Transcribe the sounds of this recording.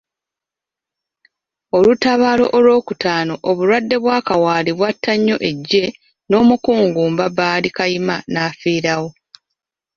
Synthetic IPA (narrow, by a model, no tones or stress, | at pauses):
o̞lutaβaːlo̞̰ʔolwo̞ːkutaːno̞ʔoβuɾwadːe̞βwaːkawaːliβwatːaɲːo̞ʔe̞ɟːe̞ | no̞ːmukuːŋɡuːmbabaːlikajimanaːfiːɾawo̞